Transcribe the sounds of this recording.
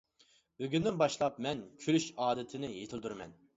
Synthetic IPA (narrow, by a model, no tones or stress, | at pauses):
øɡʲynd̪ɪnbɑʃlˠɑp̚mɛnkʲʰølyʃɑːd̪ɨt̪ʰɪnɪjet̪ʰɪld̪yɾmɛ̰n